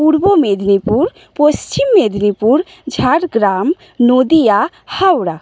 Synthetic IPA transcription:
puɾbomed̪nipuɾ | post͡ʃimːed̪nipuɾ | d͡ʒʱaɾɡɾam | nod̪ija | hawɽa

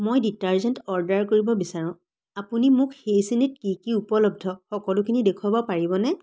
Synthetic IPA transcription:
mojditaɹzɛntɔɹdaɹkoɹibɔbisaɹʊ̃ | apunimʊkxejsinit̚kikiupɔlɔb̚dʱɔxɔkɔlʊkʰinidekʰʊwabɔpaɹibɔnɛ

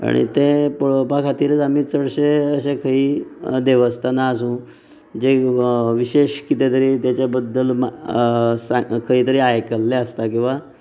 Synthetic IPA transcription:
a̰ɽ̃ḭt̪epəɭopakʰat̪iːɾət͡sam̤iːt͡səɽɕeəsẽkʰəɦiːd̪eʋəst̪ʰanaːsũː | d͡ʑeʋiɕeɕkit̪et̪əɾiːt̪jat͡ɕjabəd̪ːəlma | sakʰəɦiːt̪əɾiːajkəlːeəst̪akĩw̃ʋa

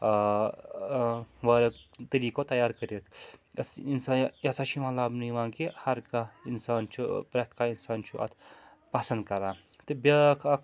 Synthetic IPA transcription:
ʋɐɾɐkt̪ɐɾiːkot̪ɐjaːɾkəɾet̪ʰɐsinsaːjɐsat͡ʃʰimalaːbnuʋãːŋkehɐɾkainsaːnt͡ʃʰupɾɐt̪̚ʰkainsaːnt͡ʃʰuʔɐ̰t̪ʰ | pɐsɐnd̪̚kɐɾaː | t̪ɨbɐkʰɐkʰ

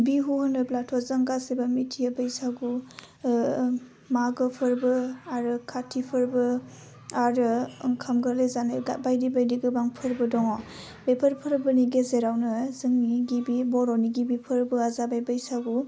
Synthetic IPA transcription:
biɦuhɯnɯblatʰɔzaŋɡasebamitʰijabajsaɡu | maɡɯpʰɯɾbɯaɾɯkʰatʰipʰɯɾbɯ | aɾɯŋkʰamɡaɾlezaneɡabajdibajdiɡɯbaŋpʰɯɾbɯdɔŋɔ | bepʰəɾpʰɯɾbɯniɡezeɾawnɯzɯŋniɡibibɔɾɔniɡibipʰəɾbɯazabajbajsaɡu

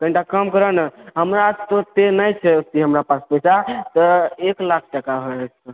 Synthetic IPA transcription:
kəĩɳʈakəmkəɾənɦəmɾat̪ot̪enəjt͡ʃʰɛiɦəmɾapaspəjsat̪əeklakʰʈəkaɦes

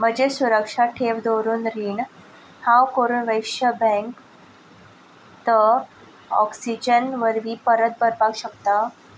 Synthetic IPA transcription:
m̤əd͡ʑesuɾəkʂaʈʰeʋd̪oɾuːnɾiːɳ | hãwkoɾuːnʋəjʂəbɛ̃ŋk | t̪ə | ɔ̰ksid͡ʑənʋəɾʋiːpəɾət̪̚bəɾbaɡɕək̚t̪a

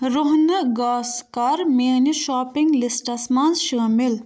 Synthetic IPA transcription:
ɾʊɦnɐɡaːskɐɾmeːniʃaːpiŋɡlisʈɐsmanzʃəːmil

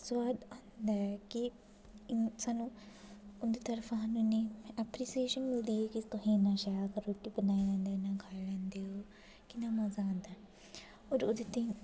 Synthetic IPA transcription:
sʋaːd̪ãːnd̪aɛkɪ | saːnũː | ʊd̪eːt̪əɾfʰɦanũneːɛpɾiːsieːʃənmɪld̪iːɛːkɪt̪ʊɦĩːnãːʃajaːkəɾoːʈiːbənaːilɛ̃ːnd̪enãːɡʰʱaːlɛ̃ːnd̪eɦoː | kɪnaːməzaãːnd̪aɛ | oːɾʊd̪et̪ĩ

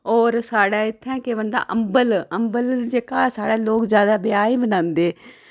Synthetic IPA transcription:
ɔːɾsaːɽaːɪt̪ʰːɛ̃ːkeːʋənd̪a̰ːʔəmbələmbəld͡ʒeːkaːsaːɽaːloːkzjaːd̪aːbɪjaːiːbənãːnd̪eː

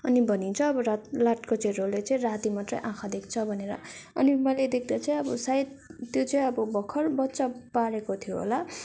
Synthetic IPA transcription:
ʌnibʱʌnint͡sʰʌːbʌɾlaʈkot͡saĩrolːet͡sʌ̃ĩrat̪imat̪rʌ̰jʔãkʰad̪ekʰt͡sʰʌbʱʌneɾʌ̰ʌ̰nimʌled̪ekʰd̪at͡sʌĩʌbʌsaid̪t̪ːjot͡sʌĩʌbʌbʌkʰːʌrbʌtːt͡sapaɾekot̪ʰijoɦo̰la

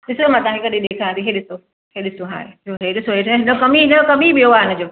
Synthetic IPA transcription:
ɗɪsomãːt̪ɐʋãkekɐɗĩɗeːkʰãːt̪ʰiɦeːɗɪso | heɗɪsoɦa̰ːed͡ʑoɦeɗɪsoɦeɦɪnokɐmiɦɪnokɐmibioaːɦɪnɪd͡ʑoː

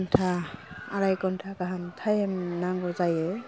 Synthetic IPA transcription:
ntʰaaɾajkɔntʰakaɦantʰajɛmnaŋɡɔzajɛ

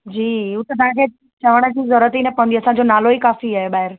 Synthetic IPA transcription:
d͡ʑiːʊt̪et̪ããkʰe | t͡ɕɐʋəɽ̃əd͡ʑĩzɔɾət̪inɛpə̃nd̪iɐsãd͡ʑonaːloikaːfiaːɦeɓaːɦɪɾ

